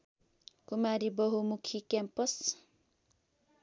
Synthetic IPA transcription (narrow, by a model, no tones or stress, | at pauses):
kumaɾibʌɦumukʰikampʌs